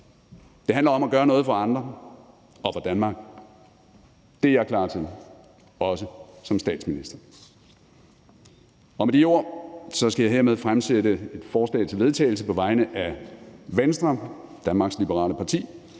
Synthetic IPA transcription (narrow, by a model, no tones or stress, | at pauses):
d̥e̝hænlɐɒ̽mæɡ̥ɶːɐnɔ̽ːð̞̩ˠfɑ̈ɑ̈nd̥ʁɐ | ɒ̽fɑd̥ænmɑ̈ːɡ̥̚ | d̥e̝jɑ̈kʰlɑ̰̈ːt͡sʰið̰ˠ | ɒ̽səsɒ̽msd̥ɛ̰ːd̥sminisd̥ɐ | ɒ̽med̥io̝ɐ̰sɒ̽sɡ̥æjɑ̈ɪe̝ɐmeð̞ˠfʁamseɾəe̝d̥fɒːslɛ̰ɪt͡sʰe̝lʋe̝ð̞ˠt͡sʰɛ̰ːɪl̩səpʰɒ̽ʋɑ̈ɪnəʔæʋensd̥ʁɐd̥ænmɑ̈ːɡ̥slib̥əʁɑ̰̈ːləpʰɑ̈t͡sʰḭː